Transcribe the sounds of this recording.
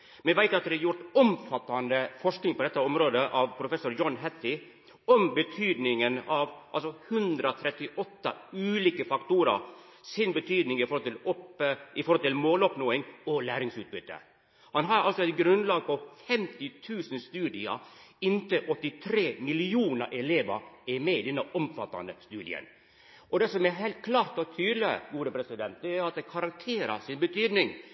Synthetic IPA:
mɛʋæɪt̪ɑt̪̚d̪ɛɑɾjʊɾʈɔmfɑt̪ːɑnd̪əfɔʂknɪŋpʰɔd̪ɛt̪ːəɔmɾoːd̪əʔɑʋpʰɾʊfɛsʊɾjɔnɦɛt̪ɪ | ɔmbət̪ʰyːd̪nɪŋənɑʋʔɑ̰lsɔhʉnd̪ɾɔt̪ʰɾɛt̪ːɪʔɔt̪ːɑ̰ʉːliːkəfɑkt̪uːɾɑ̰ | sɪnbət̪ʰyːd̪nɪŋɪfɔɾhɔlt̪ɪlɔpɪfɔɾhɔlt̪ɪlmoːlɔpnoːɪŋɔlæːɾɪŋsʉːt̪̚bʏt̪ːə̰ | hɑnɦɑɾɑ̰lsɔɛt̪̚ɡɾʉnd̪lɑːɡpɔfɛmt̪ɪt̪ʰʉːsənst̪ʉːd̪ɪɑ̰ɪnt̪əʔɔt̪ːɪt̪ʰɾeːmɪlɪuːnə̰ɾʔɛleːʋɑɾɛɾmɛɪd̪ɛnːəʔɔmfɑt̪ːɑ̰nəst̪ʉːd̪ɪə̰n | ʔɔd̪ɛsɔmɛɦɛɪlt̪̚kʰlɑːɾt̪ɔt̪ʰyːd̪lɪɡuːɾəpʰɾɛsɪd̪ɛnt̪̚d̪ɛæɾɾɑt̪̚d̪ɛkʰɑɾɑŋk̚t̪ʰeːɾɑ̰sɪnbət̪ʰyːd̪nɪŋ

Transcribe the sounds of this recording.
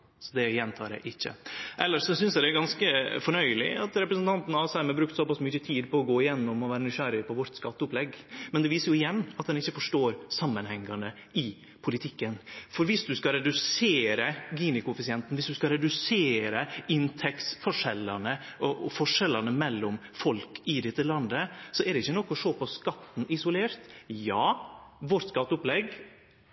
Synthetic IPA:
sɔd̪ɛjɛnt̪ʰɑːɾæ̰ɪʔɪçːə̰ʔɛlːəʂʂɔsʏnsjæɪd̪ɛæɾɡɑnskəfɔɳœʏlɪ̰ɑt̪ɾɛpɾəsnt̪ʰɑnt̪n̩ɑsæməbɾʉkt̪sɔpɑsmʏçət̪ʰiːd̪pɔːɡoːɪjɛnːɔmɔʋæːɾənʏçæɾɪpɔʋɔɾt̪skɑt̪ːəʊplɛɡmɛnd̪ɛʋiːsəɾjʊɪjɛnːɑt̪̚d̪ɛnɪçːəfɔʂʈoːɾsɑmːənhɛŋːɑnə | ɪ | pʰʊlɪt̪ʰɪkːənfɔɾʋɪsd̪ʉskɑɾɛd̪ʉseːɾəɡiːnɪkʊɛfɪsɪɛnt̪n̩ʋɪsd̪ʉskɑɾɛd̪ʉseːɾəɪnt̪ʰɛksfɔʂɛlːɑnəʔɔʔɔfɔʂɛlɑnəmɛlːɔmfɔlkɪd̪ɛt̪ːəlɑnd̪əsɔɛɾd̪ɛɪçːənɔkːɔʂoːpɔskɑt̪ːn̩ɪsʊleːɾt̪jɑːʋɔɾt̪skɑt̪ːʊplɛɡ

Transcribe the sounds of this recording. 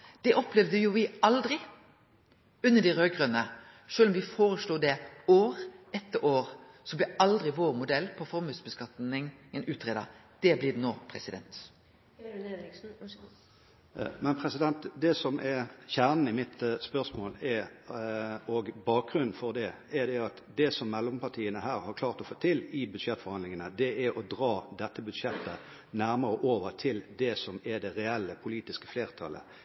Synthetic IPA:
d̪̥ɛʔɔplɛʋd̪əjʊʋɪɑld̪ɾɪ | ʉnːəd̪ɪɾøːɡʁœnə | ʂøːlɔmʋɪfoːɾəʂluːd̪ɛoːʁɛt̪ːəʔoːʁ | sɔblɪɑld̪ɾɪʋoːʁmʊd̪ɛlːpʰɔfɔɾmʉːsbəskɑt̪nɪŋɛnʉːt̪ʰʁeːd̪ɑ̰ | d̪̥ɛblɪd̪noːpʰɾɛsɪd̪ɛ̰nt̪ | mɛnpʰɾɛsɪd̪ɛnt̪d̪ɛsɔmʔɛçæːʁnn̩ɪmɪt̪spœʁsmoːlɛ | oɡbɑːk̚ɡʁʉnn̩fɔʁd̪ɛ | ɛd̪ɛɑt̪d̪ɛsɔmːɛlːɔmpʰɑʈ̪ʰiːənəɦæːɾhɑʁkʰlɑːʁt̪ɔfoːt̪ʰɪlɪbʉd̪ʂɛt̪ːfɔʁhɑnd̪lɪŋənəd̪ɛʔæɾɔd̪ʁɑːd̪ɛt̪ːəbʉd̪ʂɛt̪ːə | næɾməʁəʔoːʋəʁt̪ʰɪld̪ɛsɔmɛd̪ɛʁɛɛlːəpʰʊliːt̪ɪskə̥fleːʁt̪ʰɑ̰lə̰

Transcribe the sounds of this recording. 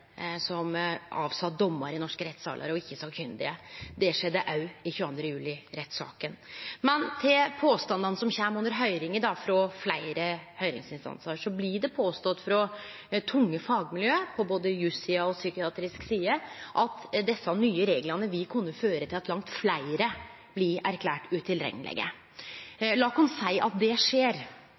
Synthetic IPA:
sɔmʔɑ̰ːʋsɑt̪̚d̪ɔmːɑɾɪnɔʂkəɾɛt̪sɑ̰ːlʔɑ̰ɾɔɪçːəsɑlkfʰʏnd̪ɪ̰əd̪ɛʂɛd̪ːəʔɑʉɪçʉːɑnd̪ɾəjʉːlɪɾɛt̪ːsɑ̰ːkənmɛnt̪ʰɪlpʰoːst̪ɑnd̪ɑnəsɔmçæmʊnəɾɦœʏɾɪŋəɖɑfɾɔflæɪɾəhœʏɾɪ̰ŋsɪnst̪ɑ̰nsəʂɔblɪɖɛpʰoːst̪ɔt̪ːfɾɔ | t̪ʰʊŋːəfɑːɡmɪljøːpʰɔboːd̪əjʉsɪɑɔsykɪɑːt̪ɾɪsksiːəʔɑt̪d̪ɛsːɑnyːəɾeːɡlɑnəʋɪkʰʉnːəføːɾət̪ʰɪlɑt̪lɑŋt̪flæɪɾə | b̥lɪæɾkʰlæːʈʉt̪ʰɪlɾɛ̰ŋːəlʔɛ̰ɡə̰ | lɑːkʊnsæɪʔɑ̰t̪̚d̪ɛʂeːɾ

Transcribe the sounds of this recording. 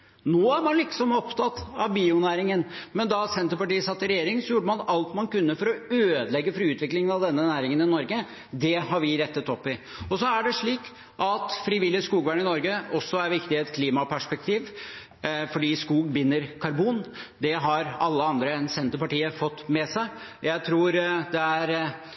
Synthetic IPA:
noːæɾmɑnlɪksɔmɔpt̪ʰɑt̪ɑʋbiːʊnæːɾɪŋənmɛnd̪ɑsɛnt̪əɾpɑʈiːəsɑt̪ːəɾɛjeːɾɪŋsɔjuːɖəmɑnɑlt̪mɑnkʉnːəfɔɾɔøːd̪əlɛɡːəfɾiʉːt̪ʋɪklɪŋənɑʋd̪ɛnːənæːɾɪŋənɪnɔɾɡə | d̪ɛɦɑɾʋɪɾɛt̪ːət̪ɔpːɪɔsɔæɖɛʂɭiːk | ʔɑt̪fɾiːʋɪlːɪəskuːɡʋæːɳɪnɔɾɡəɔsːɔæɾʋɪkt̪ɪɛt̪kʰliːmɑpʰæʂpɛk̚t̪ʰiːʋ | fɔɖiːskuːɡ̚bɪnːəɾkʰɑɾbuːnd̪ɛɦɑɾɑlːəɑnd̪ɾəɛnsɛnt̪əɾpɑʈiːəfɔt̪ːmɛsæɪ | jæɪt̪ʰɾuːɾd̪ɛæɾ

